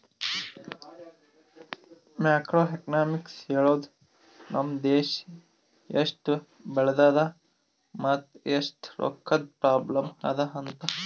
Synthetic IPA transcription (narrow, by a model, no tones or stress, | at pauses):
maːkɾoːeknaːmikseːɭoːd̪ | nʔɐmd̪eːʃ | jeʂʈ | bɐɭɐd̪aːd̪ɐ | mɐt̪esʈɾo̰kʰːɐd̪̚pɾaːblɐmɐ̰d̪ɐɦɐnt̪ɐ